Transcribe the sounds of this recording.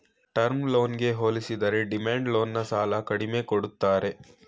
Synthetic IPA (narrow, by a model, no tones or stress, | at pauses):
ʈɐɾmlo̞ːnɡe̞ɦoːlisid̪ɐɾeɖimaːɳɖlo̞ːnːɐsaːlɐkɐɽime̞koɽut̪ːaːɾe̞